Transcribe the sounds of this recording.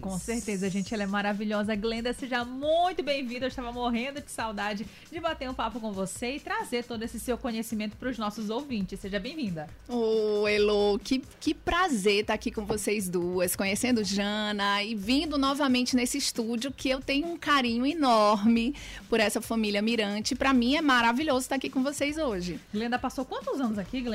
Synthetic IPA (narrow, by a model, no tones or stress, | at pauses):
kõseɾt̪ezɐːʒẽnt͡ʃɪɛlɛmaɾaviʎɔzɐɡlẽnd̪ɐseʒɐmũj̃t̪ʊbẽj̃vĩd̪ewɪʃt̪avɐmoɦẽnd̪ʊd͡ʒɪ̥sawd̪ad͡ʒɪ | d͡ʒɪbat̪eɾũpapʊkõvoseɪt̪ɾazeɾt̪od̪ʊesɪsewkõɲesimẽnt̪ʊ̥pɾʊznɔsʊzowvĩt͡ʃɪsseʒɐbẽj̃vĩnd̪ɐ | oelokɪkɪpɾazeɾt̪aakikõvosejzd̪uɐskõɲesẽnd̪ʊʒɐ̃nɐɪvĩnd̪ʊnɔvɐmẽnt͡ʃɪnesɪist̪ud͡ʒiʊkɪewt̪ẽɲʊũkaɾĩɲʊinɔɾmɪpʊɾɛsɐfɐ̃milʲjɐmiɾɐ̃t͡ʃɪpɾɐmĩɛmaɾaviʎozʊt̪akikõvosejzoʒɪɡlẽnd̪ɐpasowkwɐ̃nt̪ʊzɐ̃nʊzakiɡlẽ